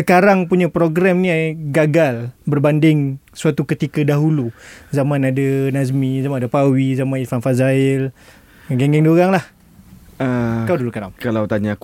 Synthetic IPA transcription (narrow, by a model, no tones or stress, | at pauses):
səkaɾaŋpuɲapɾoɡɾɛmniaɡaɡalbərbandɪŋsuat̪ukət̪ikadaɦuluzamãnadanazmizamanadapawizamãnifanfazaɪl | ɡɛŋɡɛŋdiuɣaŋlah | əkawdulkaɾa̰mkalawt̪aɲak